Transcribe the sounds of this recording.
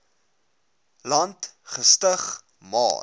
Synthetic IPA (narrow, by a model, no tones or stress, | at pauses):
lɐntχəstəχ | mɑ̰ː